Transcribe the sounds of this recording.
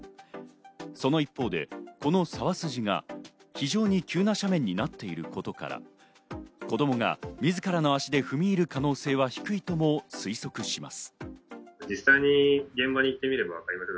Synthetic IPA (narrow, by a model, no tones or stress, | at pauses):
so̞no̞ipːo̞ːd̪e̞̰ko̞no̞saβasɨʑiɡa̰çiʑo̞ːɲ̟ikʲʰɨːnaɕamẽ̞ɲ̟ːinat̪ːe̞iɾɯ̟ko̞t̪o̞ka̰ɾa̰ | ko̞d̪o̞mo̞ɡa̰mʲizɨkaɾano̞aɕid̪e̞ɸɯ̟mʲiːɾɯ̟kano̞ːse̞ːβ̞açi̥kɯ̟it̪o̞mo̞sɨiso̞kɯ̟ɕima̰sɨ̥ | d͡ʑisaiɲ̟iɡẽ̞mbaɲ̟iit̪ːe̞mʲiɾe̞baβakaɾʲimase